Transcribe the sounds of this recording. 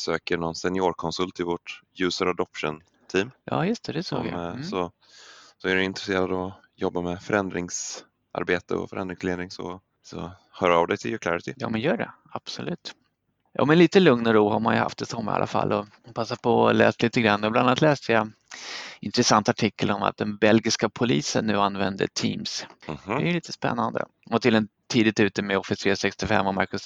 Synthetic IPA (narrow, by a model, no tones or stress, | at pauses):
sø̰ːkəɳɔnsɛnɪoːɾkʰɔnsɵlt̪ʰɪlvɔʈjʉ̟ːsəɾad̪ɔpʂə̰n | t̪ʰiːmjɑ̰ːjɵst̪ʰɛd̪ɛsoːɡja̰sɔ | sɔæɖɵɪnt̪ɾɛseːɾad̪ɔ | jɔbːamɛfœɾɛnd̪ɾɪŋs | ʔa̰ɾbeːt̪ə̰ɔ̰fœɾɛnd̪ɾɪŋsleːd̪nnɪŋsɔ̰ | sɔ̰ | hœːɾavd̪ɛjt̪ʰɪljɵkʰlaɾɪt̪ɪjɑ̰ːmɛnjœːɖɛ̰ | ab̥sɔlʉ̟ːt̪ | jɑ̰ːmɛnliːt̪əlɵŋnɔɾuːɦaɾmanjɵha̰ft̪ɛsɔmːa̰a̰lafa̰lːɔ | pʰasːapʰɔlɛ̰ːst̪liːt̪əɡɾanːɔblananat̪lɛːst̪əja | ɪnt̪ɾɛsant̪aʈʰɪkːəlɔma̰t̪̚d̪ɛnbɛlɡɪskapʰʊliːsənːʉ̟ːanːvɛnd̪əʈʰiːmshɛjliːt̪əspɛ̰nːand̪ə̰ | ɔt̪ʰɪldɛnt̪ʰiːd̪ɪt̪ʉ̟ːt̪əmɛɔfɪsiɛsɛkst̪ɪfɛ̰mːɔmaɾkɵs